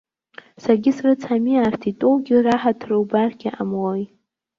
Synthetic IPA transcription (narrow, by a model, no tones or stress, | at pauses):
sarɡʲɪsrɨt͡sʰamiartʰitʼowɡʲɪraħatʰrɨwbarɡʲaʔamwaj